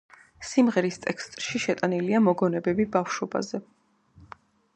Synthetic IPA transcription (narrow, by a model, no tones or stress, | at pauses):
simʁɛɾist̪ʼɛkst̪ʼɾʃiʃɛt̪ʼaniliamɔɡɔnɛbɛbibafʃɔba̰zɛ